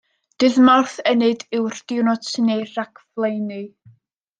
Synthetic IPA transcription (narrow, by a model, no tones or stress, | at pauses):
d̥ɨðmarθɛnɨdɨwrd̥ɪwnɔtnerakʰvlˠejnɨ